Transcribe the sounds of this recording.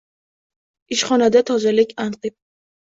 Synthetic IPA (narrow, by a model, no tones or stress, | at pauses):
ɪʃχɒnad̪at̪ʰɒzalɪkʲanqɨp̚